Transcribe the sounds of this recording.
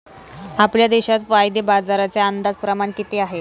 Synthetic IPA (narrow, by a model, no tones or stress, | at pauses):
apljad̪eɕat̪ʋajd̪ebad͡zaɾat͡seand̪ad͡zpɾəmaɳkit̪eaɦe